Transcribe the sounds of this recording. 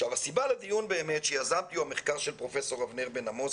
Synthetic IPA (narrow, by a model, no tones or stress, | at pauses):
ʃavasibaled̪ijunbe̞ːme̞t̪ʃejazabt̪iuameχkaʁʃelpʁo̞fe̞so̞ʁavneʁbenamos